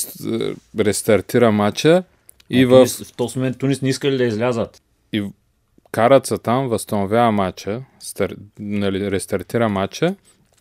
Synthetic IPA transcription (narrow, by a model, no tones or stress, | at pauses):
ɾɛst̪ɐɾt̪iɾəmat͡ʃə | ivəfft̪ɔsmomɛnt̪ːunisnɛiskəlid̪ɐizlʲazət̪ | i | kaɾɐt̪sət̪amvɐst̪ɐnovʲjaːmat͡ʃəst̪ɐɾnɐliɾɛst̪ɐɾt̪iɾəmat͡ʃə